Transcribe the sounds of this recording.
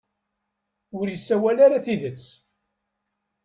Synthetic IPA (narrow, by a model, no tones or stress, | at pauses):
ʊɾjəsːæwælaɾaθiðət͡sː